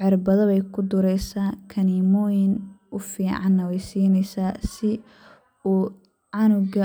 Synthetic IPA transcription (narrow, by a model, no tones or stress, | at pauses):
ʕɪrbɐðɐβɛjkʰʊd̪ʊɾɛjsaːkʰɐnimɔːjɪnʔʊfiːʕɑ̰nːɐwɛjsiːnɛjsaːsɪ | uː | ʕɑnʊɡɐ